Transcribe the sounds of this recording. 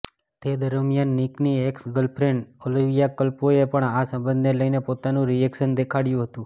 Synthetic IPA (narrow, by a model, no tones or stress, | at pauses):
t̪ed̪əɾmjanːiknieksɡəlpʰɾeɳɖoliʋijakəlpoepəɳasə̃mbənd̪neləjnepot̪anũɾiekʃənd̪ekʰaɽjũɦət̪ũ